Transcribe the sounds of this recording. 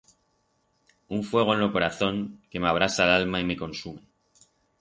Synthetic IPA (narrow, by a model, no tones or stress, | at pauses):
uɱfwe̞ɣ̞oenlo̞ko̞ɾaθo̞ŋke̞meaβ̞ɾasalalmaime̞ko̞nsume̞